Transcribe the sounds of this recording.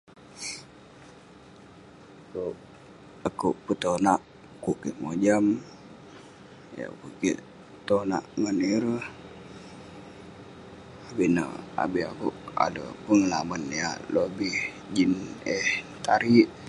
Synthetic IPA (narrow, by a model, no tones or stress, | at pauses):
koʔ | əkuʔpət̪onaʔ | kuʔkeʔmod͡ʒam | ja̰kuʔkḛʔ | t̪ona̰ʔŋəniɾəh | abinə̰a̰bihakuʔa̰lə̰pəŋəla̰mənja̰lobih | d͡ʒinɛh | t̪aɾiʔ